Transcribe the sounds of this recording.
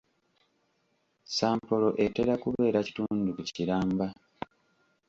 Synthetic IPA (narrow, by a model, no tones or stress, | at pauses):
saːmpo̞lo̞ʔeteɾakuβe̞ːɾaci̥tuːndukuciɾaːmba